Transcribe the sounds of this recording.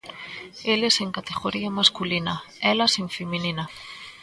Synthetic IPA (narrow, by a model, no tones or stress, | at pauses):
eleseŋkat̪eɣoɾiɐmaskulinɐ | ɛlɐsẽɱfemininɐ